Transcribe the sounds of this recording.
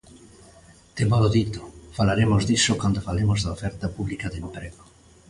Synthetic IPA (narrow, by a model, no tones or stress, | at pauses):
t̪emaloðit̪o̥falaɾemozðisokwand̪ofalemozðaofɛɾt̪apuβlikaðempɾeɣo